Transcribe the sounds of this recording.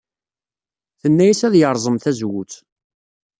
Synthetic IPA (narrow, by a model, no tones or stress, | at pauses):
θənːæjæsæðjəɾˤzˤəmθæzwut͡s